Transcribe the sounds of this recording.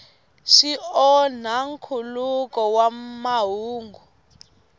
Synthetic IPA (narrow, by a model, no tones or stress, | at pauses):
ʃiɔn̤aŋkʰulukʼɔwamaɦuːŋɡu